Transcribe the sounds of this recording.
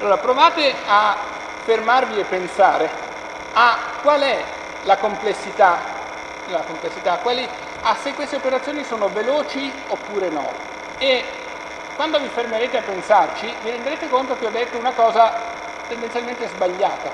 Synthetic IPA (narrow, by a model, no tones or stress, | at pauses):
alːoːɾapɾovaːt̪ea | fermarviepːensa̰ːɾe | akːwalɛ | lakomplesːit̪a | lakomplesːit̪akːwali | asːekːwest̪eopeɾat̪sjoːnisoːnoveloːt͡ʃi | opːuːɾenɔ̰ | e | kwand̪ovifermeɾeːt̪eapːensart͡ʃiviɾend̪eɾeːt̪ekont̪okeɔd̪ːet̪ːounakɔːza | t̪end̪enjalment̪ezbaʎːa̰ːt̪a